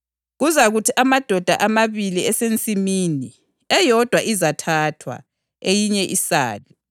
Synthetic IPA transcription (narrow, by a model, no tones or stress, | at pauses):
ɣuzaɣutʰiʔamad̥ʱɔd̥ʱa̰ʔamaβiliɛsent͡sʼimiːni | ɛjɔd̥ʱwaʔizatʰatʰwa̰ | ejiɲɛʔisa̰ːli